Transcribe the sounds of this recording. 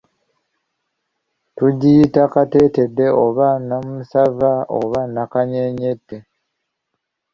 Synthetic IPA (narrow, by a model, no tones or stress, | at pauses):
tuɟiitakateːte̞dːe̞ʔoβanamusavaʔo̰βanakaɲeɲetːe